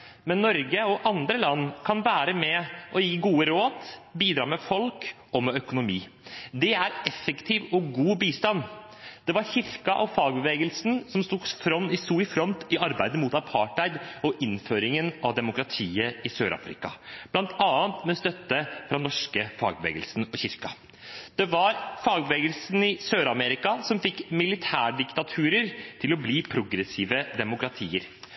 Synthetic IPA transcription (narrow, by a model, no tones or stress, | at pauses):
mɛnːɔɾɡəɔʔɑnd̪ɾəlɑnːkʰɑnʋæːɾəmɛʔɔjiːɡuːəɾoːd̪biːd̪ɾɑːmɛfɔlk | ɔmɛœkʊnʊmiː | d̪ɛæɾɛfəkt̪ʰiːʋɔɡuːbiːst̪ɑnː | d̪̥ɛʋɑɾçɪɾkɑʔɔfɑːɡ̚bəʋeːɡəlsn̩sɔmst̪uːɡfɾɔnːɪsuːɪfɾɔnt̪ɪʔɑɾbæɪd̪əmʊt̪ɑpʰɑːʈæɪd̪ɔʔɪnføːɾɪŋənɑʋd̪ɛmʊkɾɑt̪ʰiːəɪsøːɾɑ̰fɾɪ̰kɑ̰b̥lɑnt̪ʰɑːənt̪mɛɔst̪œt̪ːəfɾɑnɔʂkəfɑ̰ːɡ̚bəʋḛːɡəlsn̩ɔçɪɾkɑ | d̪̥ɛʋɑɾfɑːɡbəʋeːɡəlsn̩ɪsøːɾɑmɛɾɪkɑsɔmfɪkːmɪlɪt̪ʰæːɖɪkt̪ɑt̪ʰʉːɾəɾt̪ʰɪlɔbliːpʰɾʊɡɾəsiːʋəd̪ɛmʊkɾɑt̪ʰiːəɾ